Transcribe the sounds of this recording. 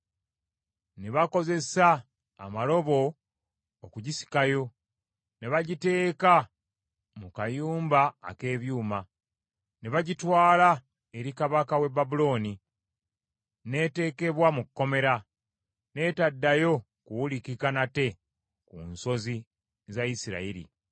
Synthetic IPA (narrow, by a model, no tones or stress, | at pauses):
ne̞βako̞ze̞sa̰ː | malo̞βo̞ː | kuɟisi̥kajo̞ | ne̞βaɟite̞ːka | mukajuːmba̰ːke̞ːβjuːma | neβaɟitwaːla | e̞ɾikaβakawe̞babulo̞ːni | ne̞te̞ːke̞βwamukːo̞me̞ɾa | ne̞ːtadːajo̞ | kuwulikikanate̞ | kuːnso̞zi | zaisiɾa̰iɾḭ